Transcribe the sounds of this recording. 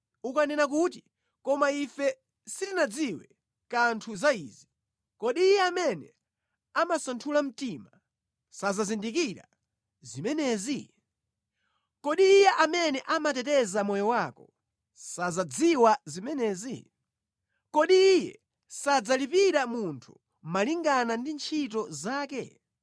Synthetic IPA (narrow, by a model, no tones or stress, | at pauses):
ukanɛnak̬ut̬i | kɔmaifɛ | sitinad͡ziwɛ | kantʰuzaiːzi | kɔɗiːjɛamɛnɛ̰ | amasantʰulam̩tima | sazazindik̬iɾa̰ | zimɛnɛzi | kɔɗiːjɛʔamɛnɛʔamatɛtɛzamɔjɔwaːkɔ | sazad͡ziwazimɛnɛːzi | kɔɗiːjɛ̰ | sad͡zalipiɾamuntʰṵ | maliŋɡanandint͡ʃʰitɔzaːkɛ̰